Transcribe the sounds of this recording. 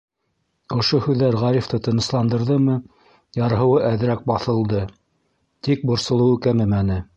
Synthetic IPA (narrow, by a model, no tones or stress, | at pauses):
ŏʃohʉðːæɾʁɑɾift̪ɤt̪ɤ̆nɤ̆slˠɑnd̪ɤ̆ɾðɤmɤ | jɑɾɦɤ̆wɤʔæðɘ̆ɾæk̚bɑθɤ̆lˠd̪ɤ | t̪ik̚bŏɾsŏlˠɤ̆wɤkæmɘmænɘ